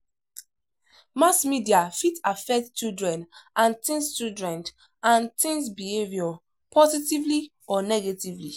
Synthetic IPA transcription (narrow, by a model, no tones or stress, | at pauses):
masmidiafitafɛk̚tt͡ʃildɹɛ̃nʔãnt̪ĩnst͡ʃildɹɛ̃nt | ãntĩŋsbihevjɔ | pʰɔzitivli | ɔnɛɡetivli